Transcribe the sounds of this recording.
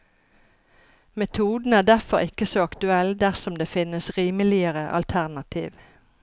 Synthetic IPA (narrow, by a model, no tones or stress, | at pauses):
mɛt̪ʰuːd̪n̩æːɖ̪æʁfɔʁɪkəsoːɑkt̪ʉɛld̪æʁsɔmd̪eːfɪnəsʁiːməlɪəʁəʔɑ̰lt̪ʰæʁnɑt̪ʰḭːʋ